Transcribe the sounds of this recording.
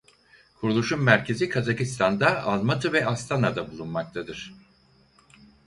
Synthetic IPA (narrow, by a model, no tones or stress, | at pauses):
kʰuɾulˠuʃunmæɾcʰe̞zikʰazakist̪ʰand̪aalˠmat̪ʰɯvɛast̪ʰanad̪abulˠunmak̚t̪ʰad̪ɯɾ̥